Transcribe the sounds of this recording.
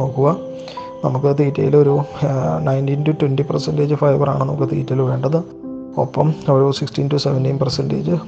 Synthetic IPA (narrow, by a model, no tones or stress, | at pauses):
o̞ːkːuɣɐ | nɐmukːɨt̪iːtːɐ̰jiloɾunɐjntintutwendipɐrsɐndeːd͡ʑɨfɐjʋɐra̰ːɳɨnɐmukːɨt̪ḭːtːɐjilʋe̞ːɳɖɐðɨ | o̰pːɐmɐʋɐɾusikstintuseʋendinpɐrsendḛːd͡ʑɨ